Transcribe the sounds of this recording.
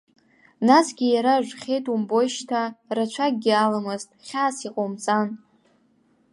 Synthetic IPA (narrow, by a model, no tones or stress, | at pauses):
nasɡʲijaɾaʒʷᶣχʲejtʼumbo̞jʃtʰarat͡ʃʷʰak̚ʼɡʲialamɨztʼχʲasiqʼomt͡sʼan